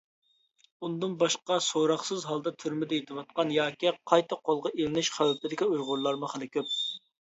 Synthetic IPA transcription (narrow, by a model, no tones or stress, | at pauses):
und̪ɨnbɑʃqɑsoɾɑχsɨzɦɑlˠd̪ɑt̪ʰyɾmɪd̪ɛjet̪ʰɪwɑt̪̚qɑnjɑːkʲiqʰɑjt̪ɑqʰːolˠʁɑʔelɪnɪʃχæwɛplɪd̪ɪkʲiujʁʊɾlˠɑɾmʊχɪlˠɪkʲøp̚